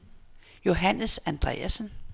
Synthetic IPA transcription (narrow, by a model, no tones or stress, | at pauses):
jo̝ɦænəsænd̥ʁɛ̰ːæsən